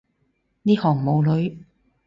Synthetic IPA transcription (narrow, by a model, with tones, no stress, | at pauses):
niː˥hɔː˨˩ŋmo˨˧wlɵ˨˧˥ɥ